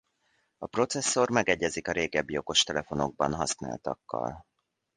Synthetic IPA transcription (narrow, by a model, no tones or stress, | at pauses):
ɒpro̞t̪sɛsːo̞rmɛɡɛɟːɛzikɒɾeːɡɛbːijo̞ko̞ʃt̪ɛlɛfo̞no̞ɡ̚bɒnɦɒsna̰ːlt̪ɒ̰kːɒ̰l